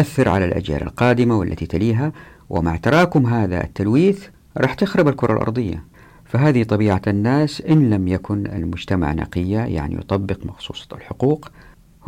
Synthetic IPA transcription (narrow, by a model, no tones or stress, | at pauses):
ʔaθːɪɾʕalalʔa̰d͡ʒja̰ːlʔa̰lqɑːd̪ɪmawɪ̰lːʔa̰t̪it̪aliːɦa | wʔɪ̰maʕt̪ɑɾˤɑːkʊmɦaːða̰ʔɪ̰t̪ːalwiːθ | ɾˤɑːħt̪ɪxɾɑbalkʊɾˤɑ̰lʔɑ̰ɾˤd̪ˤɨjːa̰ | faɦaːðit̪ˤɑbiːʕaanːaːsʔɪnlamjakʊna̰lmʊd͡ʒt̪ama̰ʕnɑ̰qɪjːaja̰ʕnḭjʊ̰t̪ˤɑbːɪqmɑxsˤṵːsˤɑlħʊquːq